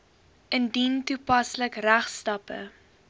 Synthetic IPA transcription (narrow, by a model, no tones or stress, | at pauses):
ʔəndintupɐsləkræχstɐpə̰